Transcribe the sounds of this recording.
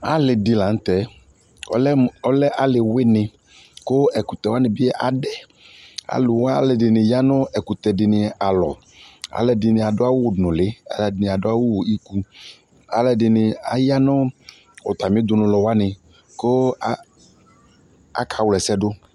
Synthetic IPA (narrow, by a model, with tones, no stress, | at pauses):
a˨lɪ˨dɪ˨la˨ŋ̩˦t̪ɛ˨ | ɔ˨lɛ˦ɔ˦lɛ˦ʔa˨lɪ˨wɪ˦nɪ̃˨ | ko˦ɛ˨ku˨t̪ɛ˨wa˦nɪ̃˨bɪ˦ɛ˦ʔa˨ɖɛ˨ | a̰˨lʊ˨wa˦lɪ˨dɪ˨nɪ̃˨ja˦nʊ̃˦ɛ˨ku˨t̪ɛ˨dɪ˨nɪ̃˨a˨lɔ˨ | a̰˨lɛ˨dɪ˨nɪ̃˨a˨dʊ˦a˦wʊ˦˨nʊ̃˨lɪ˦a̰˨lɛ˨dɪ˨nɪ˨a˨dʊ˦a˦wo˦wi˦ku˦ | a̰˨lɛ˨dɪ˨nɪ˨a̰˨ja˦nʊ̃˦ | ʊ˨t̪a˨mɪ̃˨˦d̪ʊ˨nʊ̃˨lɔ˨wa˦nɪ˨ | ko˦ | a̰˨kʰa˨wlɛ˨sɛ˦ɖʊ˦